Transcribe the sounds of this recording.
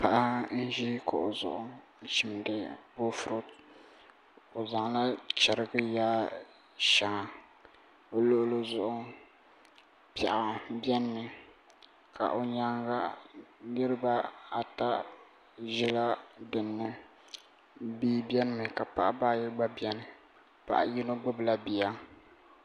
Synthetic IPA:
pa˦ʔa˦n̩˦ʒi˦ka̰˨ʔo˨zʊ̰˨ʔʊ˦n̩˦t͡ʃi˨m˨dɨ˨bo˦fʊ˨ɾo˦ | o˨za˨ŋla˦t͡ʃɛ˨ɾɨ˦ɡɨ˦jaː˦ | ʃa˨ŋa˨ | o˦lo˦ʔʊ˦lo˦zʊ˨ʔʊ˦ | pɛ˨ʔa˨bɛ˦nːɨ˨ | kʰa̰˨ʔo˨ɲa˦ŋɡa˦nɨ˦ɾɨ˦ba˦a˨ta˦ | ʒɪ˦la˦dɨ˨nːɨ˦ | biː˦bɛ˦nɨ˦mɨ˨ka˨pa̰˨ʔa˦baː˦˨jɪ˦ɡ͡ba˦bɛ˦nɨ˨ | pa̰˨ʔa̰˨ji˦no˦ɡ͡bʊ˦bla˦bi˨ja˦

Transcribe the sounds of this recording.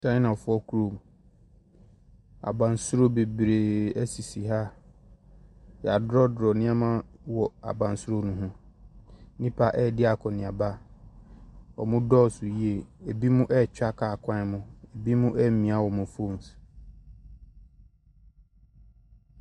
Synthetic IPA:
sã˦nã˨fʊ˦ɔ˦kʰu˦ɾo˨m˨ | a̰˨bã˨nsʊ˦ɾo˦be˨bɾe˨æ˦si˨si˨ɦa˦ | ja˨dɾɔ˦dɾɔ˨nɪ̃˦a˦mã˦wɔ˨a̰˨bã˨n˨sʊ˦ɾo˦nũ˨ɦũ˦ | nĩ˦pʰa˦˨ʔɛ˦˨dɪ˦a˨kʰɔ˨nɪ̃˨a˨ba˦ | ɔ̰˨mʊ̃˦dɔː˦˨sʊ˨ji˦e˨e˨bi˦mũ˦ʔɛ˦˨t͡ɕᶣa˦kʰa˨kʰã˦mʊ̃˦e˨bi˦mũ˦ʔɛ˦mĩ˨˦a˦wɔ˨mʊ̃˨fo˦˨m˨s

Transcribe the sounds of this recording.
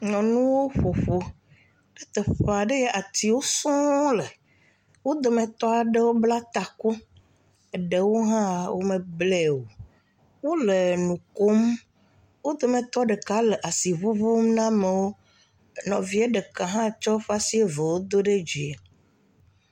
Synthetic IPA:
ɲɔ̃˨nũ˦wo˦ɸo˨ɸo̥˦ | e˦t̪ɛ˨ɸe˨a˨ɖe˦je˦ʔa˨t̪i˦wo˦sɔ̃˦le˨ | wo˦d̪o˨mẽ˨t̪ɔ˦a˨ɖe˦wo˦bla˦t̪a˨ku˦ | e˨ɖe˨wo˦ɦã˦wo̰˦mẽ˨blɛ˦˨wo˨ | wo˦le˨nũ˨ko˦m | wo˦d̪o˨mẽ˨t̪ɔ˦ɖe˨ka˨˦lɛ˨ʔa˨si˨βu˦vo˦m˦nã˦me˨wo˦ | nɔ̃˨vi˦e˦ɖe˨kã˨ɦã˦˨t͡ʃɔ˦ɸa˦si˦e˦ve˨wo˦d̪o˦ɖe˦d͡ʒi˨e˨

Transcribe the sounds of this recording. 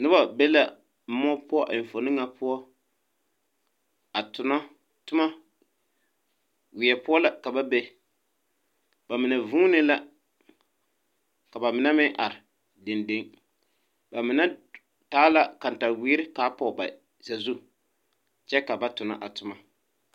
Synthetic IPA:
nɨ˦ba˨be˦la˨ | m̩˦mɔ˦pʊ˦ɔ˦ʔɪ˨ɱ̩˨fo˨nɨ˦ŋa˨pʊ˦ɔ˦ | a˨tʊ˨na˦ | tʊ˦ma˦ | wɪ˨ɛ˨pʊ˦ɔ˦la˨ka˨ba˦be˦ | ba˨mɪ˨na˨vuː˦nɪ˦la˦ | ka˨ba˨mɪ˨na˦mɪ˦ŋʔa˨ɾɪ˨ | dɪ˨nde˦ŋ | ba˨mɪ˨na˦ | taː˨˦la˦ka˨n˨ta˨wiː˦ɾɪ˦kaː˨˦pɔ˨ba̰˨ | z̥a˨zu˦ | t͡ʃɛ˦ka˨ba˦tʊ˨na̰˦ʔa˨tʊ˨ma˦

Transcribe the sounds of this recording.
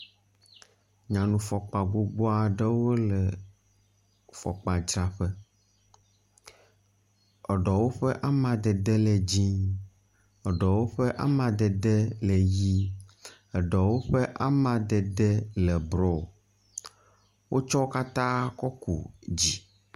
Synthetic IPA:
ɲã˨nũ˨fɔ˨k͡pa˨ɡ͡bo˦ɡ͡bo˦a˨ɖɛ˦wo˦lɛ˨ | fɔ̰˨k͡pa˨d͡ʒɾa˨ɸɛ˦ | ɔ˨ɖɔ˨wo˦ɸɛ˦ʔa˦mã˨d̪ɛ˨d̪ɛ˦lɛ˨d͡ʑĩ˦ | ɔ˨ɖɔ˨wo˦ɸɛ˦ʔa˦mã˨d̪ɛ˨d̪ɛ˦lɛ˨ji˦ | ɛ˨ɖɔ˨wo˦ɸɛ˦ʔa˦mã˨d̪ɛ˨d̪ɛ˦lɛ˨bɾɔ˨ | wʔo˦t͡ʃɔ˦o˦ka˦t̪ã˦kɔ˦kṵ˨d͡ʑi˦

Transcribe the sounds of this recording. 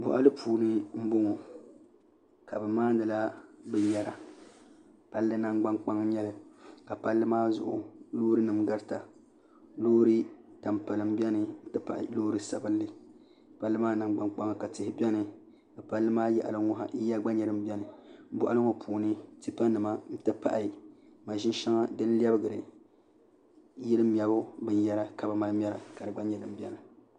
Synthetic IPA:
bɔ̰˨ʔa̰˦lɨ˦pʰuː˨nɨ˦m̩˦bo˦ŋɔ˨ | ka˨bɛ˨maː˦nɨ˨la˦bɛ˨jɛ˨ɾa˨ | pa˦lːɨ˦na˦ŋɡ͡ba˦ŋk͡pa˦ŋɲɛ˦lɨ˨ka˨pa˦lːɨ˦maː˦zʊ̰˨ʔʊ̰˨loː˦ɾɨ˦nɨ˨mɡa˦ɾta˨ | loː˦ɾɨ˦d̥a˨mpa˨lɨ˨m˦bɛ˦nɨ˨˦tɨ˦pa̰˦˨ʔloː˦ɾɨ˦sa˨bɨ˦n˦lɨ˦˨ | pa˦lːɨ˦maː˦nɨ˨mɡ͡ba˨ŋk͡pa˦ŋɨ˨ka˨tɪ˨hɪ˦bɛ˦nɨ˨ | ɨ˨pa˦lːɨ˦maː˦jɛ̰˦˨ʔa˨lɨ˦ŋɔ˦ɦa̰˨˦ja˦ɡ͡ba˦ɲɛ˨ɾɨ˦˨m̩˦bʲɛ˦nɨ˨˦bʊ˦ʔa˦ɨ˦ŋo˨pʰuː˨nɨ˦ti˦pa˦nɨ˨ma˦n̩˦tɨ˦pa̰˦ʔa˨ma˨ʒɪ˦n˦ʃa˦ŋa˦dɨ˦n˦li˦ɛ˦bɨ˦ɡɨ˨ɾɨ̰˨ | jɛ˦lɨ˦m˨ɛ˨bʊ˦bɨ˦n˦jɛ˦la˦ka˨ba˨ma˦lɨ˦mʲ˦ɛ˦la˨ka˨dɨ˨ɡ͡ba˦ɲɛ˨dɨ˨m˦bɛ˦nɨ˨

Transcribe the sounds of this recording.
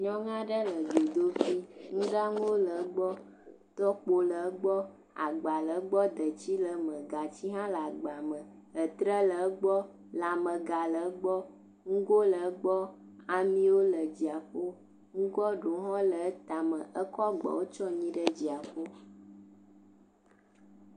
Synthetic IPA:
ɲɔ̃˦ŋã˦ɖə˦lə˨d̪o˨d̪o˦fi˦ŋũ˦ɖa˦ŋũ˦wo˦lə˨˦ɡ͡bɔ˦ | t̪ɔ˦k͡po˨lə˨˦ɡ͡bɔ˦ | a̰˨ɡ͡ba˨lə˨˦ɡ͡bɔ˦d̪ə˨t͡ɕi˦lə˨mə̃˨ɡa˨t͡ɕi˦ɦã˦la˨ɡ͡ba˨mə̃˨ | ə˨t̪ɾə˦lə˨ə˦ɡ͡bɔ˦ | la˨mə˨ɡa˨lə˨˦ɡ͡bɔ˦ | ŋũ˦ɡo˦lə˨˦ɡ͡bɔ˦ | a˨mĩ˦wo˦lə˨d͡ʑi˨a˨ɸo˦ | ŋũ˦ɡɔ˦ɖo˨˦ɦɔ̃˦lə˨˦t̪a˨mə˨ʔə˦kɔ˦ɡ͡bɔ̰˨wo˦t͡ʃɔ˦ɲĩ˦ɖə˦d͡ʑi˨a˨ɸo˦

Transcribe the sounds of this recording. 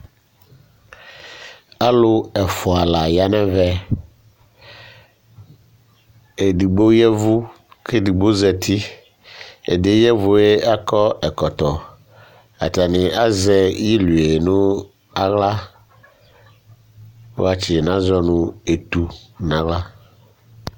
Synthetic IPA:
a˦lʊ˦ɛ˨fʊ˨a˨la˨ja˦nɛ̃˦vɛ˦ | e˨di˨ɡ͡bo˦jɛ˦vʊ˦ | ke˦di˨ɡ͡bo˦zɛ˨t̪ʰi˦ | ḛ˨de˨˦jɛ˦vʊ˨e˦a˦kɔ˦ɛ˨kɔ˨t̪ɔ˨ | a̰˨ta˨nɪ̃˨a˦zɛ˦ji˦lu˨e˨nʊ̃˦ | a˦ɣla˦ | wo̰˦a˨t͡ʃɪ˨nã˦zɔ˦nʊ̃˦e˨t̪u˨nã˨ɣla˦

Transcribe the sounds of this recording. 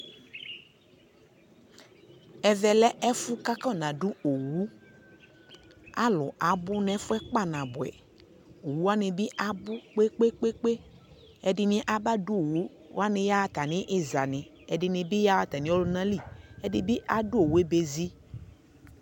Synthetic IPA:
ɛ˨vɛ˨lɛ˦ʔɛ˦fʊ˦ka˦kɔ˦˨nã˨ɖu˦o˨wu˦ | a˦lʊ˨ʔa˨bʊ˦nɛ̃˨˦fʊ˦ɛ˦k͡pa˦˨nã˨bʊ˨ɛ̰˨ | o˨wu˦a˦nẽ˨bi˦ʔa˨bʊ˦k͡pe˦k͡pe˦k͡pe˦k͡pe˦ | ɛ˨dɪ˨nĩ˦ʔa˦ba˦du˦o˨wu˦ | wa˦nɪ̃˦ja˦wa˦t̪a˨nɪ̃˦ʔɪ˦za˨nɪ̃˨ | ɛ˨dɪ˨nĩ˨bi˦ja˦wa˦t̪a˨nĩ˦o˦lʊ˦nã˦li˦˨ɛ˦di˦bi˦ʔa˦du˦o˨wu˨˦e˦be˨zi˦

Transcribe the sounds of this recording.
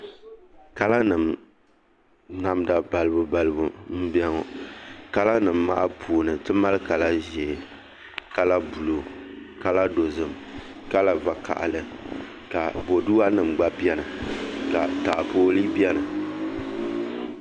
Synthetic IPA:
ka˦la˦nɨ˨m | na˨mda˨ba˨lɨ˦bu˨ba˨lɨ˦bu˦m̩˦bɛ˦ŋɔ˨ka˦la˦nɨ˨mːa̰˦ʔa˦pʰuː˨nɨ˨tɨ˦ma˦lɨ˦ka˨la˦ʒɛ˨ | ka˦la˦bu˨lo˨ka˦la˦do˨zɨ˨m | ka˦la˦va˨ka̰˨ʔa̰˨lɨ˨ | ka˨bo˨du˦a˦nɨ˨mɡ͡ba˦bi˦ɛ˦nɨ˨ka˨ta˨ʔpoː˦li˦bjɛ˦nɨ˨

